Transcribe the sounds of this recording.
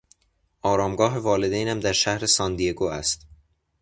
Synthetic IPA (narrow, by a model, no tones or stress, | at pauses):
ʔɒːɾɒːmɡɒːɦe̞vɒːle̞d̪ejnæmd̪æɾʃæhɾe̞sɒːnd̪ijeɡoːæst̪